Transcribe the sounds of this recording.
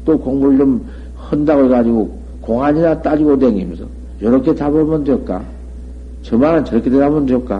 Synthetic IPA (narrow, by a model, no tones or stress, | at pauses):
t͈okoŋbuɾɯɭd͡ʑom | hɯndaɣoɭɡad͡ʑiɡo | koŋɦaɲinat͈ad͡ʑiɡodeŋimjʌsʰʌ | jʌɾʌkʰetabʌmʌndɯjʌt̚k͈a̰ | t͡ɕʌmaɾɯnt͡ɕʌɾʌkʰededabondɯjʌt̚k͈a